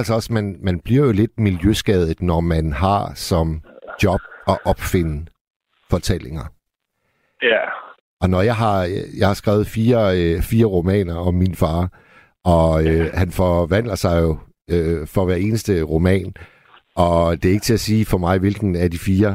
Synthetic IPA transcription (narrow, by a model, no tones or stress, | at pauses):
ælsɒɒ̽smænmænb̥liɐ̰jo̝le̝d̥̚miljøsɡ̥ɛð̞ˠð̩ˠnɒmænɦɑ̈sɒ̽md̥jɒ̽b̥̚ɒ̽ʔɒ̽b̥fe̝nə | fɒ̽t͡sʰel̰e̝ŋɐ | ʔɒ̽nɒjɑɪɦɑ̈jɑ̈hɑ̈sɡ̥ʁɛʊð̩ˠfiːɐfiːɐʁo̝mɛ̰ːnɐɒ̽mːinfɑ̈ː | ʔɒ̽øhænfɒʋæn̰lɐsɑ̈ɪjo̝ | øfɒ̽ʋæɐe̝ːnəsd̥əʁo̝mɛ̰ːn | ʔɒ̽d̥e̝æe̝ɡ̥ət͡sʰe̝æsiːfɒ̽mɑ̈ɪʋe̝lɡ̥n̩æɐd̥ifiːɐ